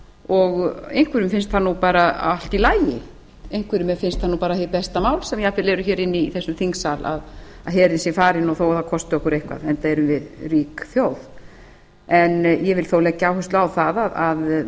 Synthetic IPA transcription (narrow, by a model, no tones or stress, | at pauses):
ɔɣejŋ̥kʰvɪɾʏmfɪnst̪θanːupaːɾa̰al̥t̪ilaːjjɪ | ejŋ̥kʰvɪɾʏmɛfɪnst̪θanːuːpaːɾahɛɾpɛst̪amaːwlsɛmjɛapʰɪlɛɾʏçɛːɾɪnːɪːθɛsːʏmθiŋksala̰ð | aðɦɛːɾɪnsɛfaːɾɪnːɔθowaðakʰɔst̪ʏɔhkʏɾejhkva̰ðɛnt̪aɛɾʏmvɪðriːkθjoːwð | ɛnjɛvɪlθowlɛːɣcːaːwhʏst̪laːwθaðaðað